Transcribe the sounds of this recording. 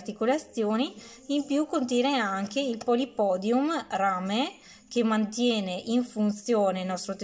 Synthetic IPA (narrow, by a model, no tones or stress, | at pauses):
rt̪ikolat̪sjoːni | impjukːont̪̬jɛːneaŋkeilpolipɔːd̪jumraːme | kemːant̪jɛːneʔiɱfunt̪sjoːnelnːɔst̪ɾot̪